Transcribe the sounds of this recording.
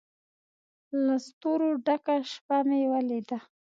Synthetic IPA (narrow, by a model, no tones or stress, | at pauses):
last̪oɾoɖakaʃpamewaled̪a